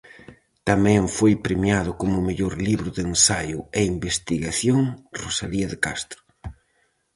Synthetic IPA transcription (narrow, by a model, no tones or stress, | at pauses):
t̪amɛ̃ɱfojpɾemjaðʊkomʊmeʎoɾliβɾʊðensajʊeimbest̪iɣaθjoŋrosaliɐðekast̪ɾʊ̥